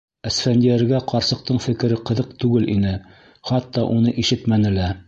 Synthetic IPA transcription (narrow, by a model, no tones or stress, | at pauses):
æsfænd̪iæɾɡæqɑɾsɤ̆q̚t̪ɤɴfɘ̆kɘ̆ɾɘqɤ̆ðɤqt̪ʉɡɘlʔinɘ | χɑt̪ːɑʔunɤʔiʃɘt̪mænɘ̆læ